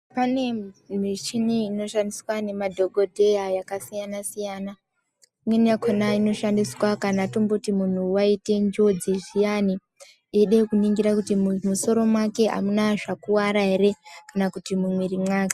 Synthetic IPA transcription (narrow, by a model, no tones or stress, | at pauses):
pane̞mit͡ʃiniːno̞ʃandiswane̞madʱo̞ɡʱo̞dʱe̞jajakasijanasijaːna | imwenijakʰonaino̞ʃandiswakanatombotimun̤uwaite̞nd͡ʒo̞d͡ziʐijani | eɗekuniŋɡiɾakutimmuso̞ɾo̞mwake̞ʔa̰munaʐakuwaɾaɦe̞re̞kanakutimumwiɾimwaːke